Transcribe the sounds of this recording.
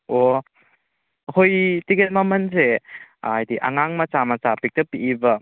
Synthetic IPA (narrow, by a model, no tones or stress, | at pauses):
o | hojtiket̚mamɐnzeajdiʔa̰ŋaŋmɐt͡ʃamɐt͡ʃapik̚tɐpiʔibɐ